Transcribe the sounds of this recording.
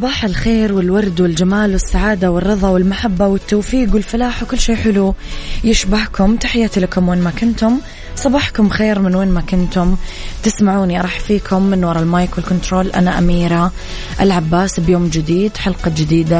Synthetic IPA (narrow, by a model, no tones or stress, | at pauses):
sˤɑbɑːħalxeːɾwɪlwɑɾˤd̪wɪld͡ʒamaːlwɪsːaʕaːd̪awɪrːɨðˤɑwɪlmaħabːawɪt̪ːowːfiːɡwɪlfalaːħwkʊlːʃeːħɪlujɪʃbahkʊmt̪aħɪjːaːt̪ilakʊmweːnmakʊnt̪ʊm | sˤɑbɑːħkʊmxeːɾmɪnweːnmakʊnt̪ʊmt̪ɪsmaʕuːniʔɑɾˤɑːħfiːkʰʊmːɪnwɑɾˤɑlmajkwɪlkʊnt̪ɾoːlʔa̰naʔamiːɾa | ʔɪlʕabːaːsbjoːmd͡ʒɪd̪iːd̪ħalqɑd͡ʒɪd̪iːd̪a